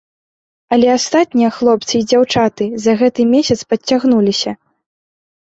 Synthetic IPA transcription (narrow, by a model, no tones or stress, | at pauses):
ɐlʲɛast̪at̪ʲnʲijɐxlˠɔp̚t̪sɨid͡zʲawt͡ʂat̪ɨzɐɣɛt̪ɨmʲesʲɐt̪spɐt͡sʲːaɣnulʲisʲɐ